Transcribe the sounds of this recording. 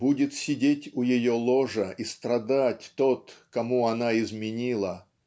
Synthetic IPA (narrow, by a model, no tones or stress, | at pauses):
budʲɪt̪sʲɪdʲetʲʊjɪjolˠoʐəist̪ɾɐd̪atʲt̪ot̪kɐmuɐnaɪzmʲɪnʲilˠə